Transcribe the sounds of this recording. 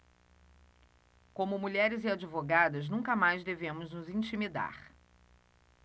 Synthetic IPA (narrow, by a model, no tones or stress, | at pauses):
kõmʊmuʎɛɾɪziad͡ʒivoɡad̪ɐznũŋkɐmajzd̪evẽmʊznʊzĩt͡ʃimid̪a̰χ